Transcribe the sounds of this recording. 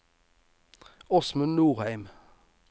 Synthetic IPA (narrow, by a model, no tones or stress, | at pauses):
ɔsmʉnnuːʁhæɪm